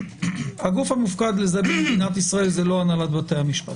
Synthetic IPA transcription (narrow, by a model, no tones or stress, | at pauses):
haɡufhamufkad̪lezabiʁd̪inat̪̬isʁae̞lzelo̞analat̪bat̪ejhamiʃpat